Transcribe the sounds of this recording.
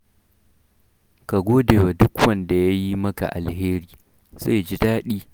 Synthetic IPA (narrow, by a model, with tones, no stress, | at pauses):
ka˨ɡʷoː˦deː˨wa˨dʊ˦kwɐ˦nda˨ja˦ji˦mɐ˦ka̰˨ʔa˨lheː˦ɾiː˦ | ze˦˨d͡ʒi˦daː˦ɗiː˦